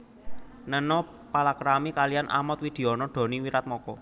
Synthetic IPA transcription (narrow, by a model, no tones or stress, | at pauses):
nənɔ | palakɾamikalijanʔa̰mɔt̪̚wid̪̥e̤ɔnɔɖ̪̥ɔ̤niwiɾat̪̚mɔkɔ̰